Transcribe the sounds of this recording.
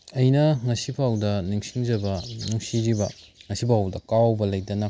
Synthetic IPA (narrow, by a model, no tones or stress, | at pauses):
ɐjnɐŋɐsipʰawdɐniŋsiŋd͡ʒɐbɐnuŋsiɾibɐ | ŋɐsipʰawdɐkawbɐlɐjdɐnɐ